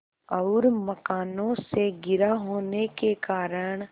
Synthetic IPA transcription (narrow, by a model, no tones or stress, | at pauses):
ɔʊɾmɐkaːnõseɡɪɾaɦoːnekekaːɾəɽ̃